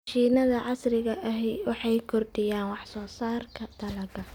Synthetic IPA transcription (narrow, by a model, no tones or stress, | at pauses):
ʃiːnɐðɐʕɑsrɪɣɐʔɐɦɛjwɑħɑjkʰɔrd̪ɪjaːnwɑħsɔːsaːrkʰɐd̪̥ʰɐlɐɡɐ